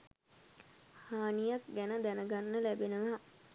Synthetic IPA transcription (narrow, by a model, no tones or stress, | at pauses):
haːnijak̚ɡænəd̪ænəɡanːəlæbenəʋa